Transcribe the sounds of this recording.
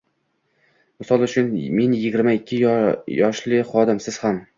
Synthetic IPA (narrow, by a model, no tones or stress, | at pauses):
mɪsɒlˠʊt͡ʃʰʊnme̞njɪɡʲɪɾmaɪkʲʰːɪjɒʃlɪχɒd̪ɪmsɪz̥ham